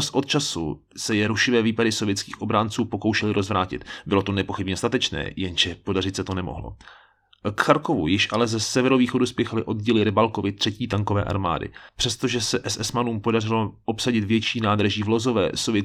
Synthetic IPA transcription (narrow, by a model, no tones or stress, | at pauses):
sʔo̞t̪̚t͡ʃasṵ | sɛjɛɾuʃɪvɛːviːpadɪso̞vjɛt̪t͡ski̥̰ːxʔo̞bɾaːnt͡suːpo̞kowʃɛlɪɾʔozvɾaːcɪ̰t̪bɪlo̞t̪onɛpo̞xɪbɲɛst̪at̪ɛt͡ʃnɛ̰ːjɛnʒɛpo̞dar̝ɪt̪sɛt̪o̞nɛmo̰ɦlo̰ | kxaɾko̞vṵjɪʃʔalɛzɛsɛvɛɾoviːxo̞duspjɛxalɪʔo̞dɟɛlɪɾɪbalkovɪt̪r̝̥ɛciːt̪aŋkovɛ̰ːʔa̰ɾma̰ːdɪ̰pr̥ɛst̪oʒɛsɛʔɛsɛsmanuːmpo̞darɪloʔopsaɟɪt̪vjɛt͡ʃiːnaːd̪ɾaʒiːvlo̞zo̞vɛ̰ːsovjɛ